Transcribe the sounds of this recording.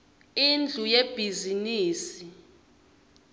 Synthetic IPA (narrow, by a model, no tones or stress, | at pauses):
ind͡ɮʱujeb̥ʱiziniːsi